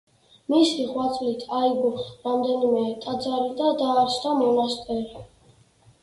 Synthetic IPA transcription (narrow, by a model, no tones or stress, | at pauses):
misiʁwat̪sʼlit̪ʰaiɡɔχɾamd̪ɛnimɛt̪ʼad̪zaɾid̪ad̪aːɾt͡ʃd̪amɔnast̪ʼɛɾi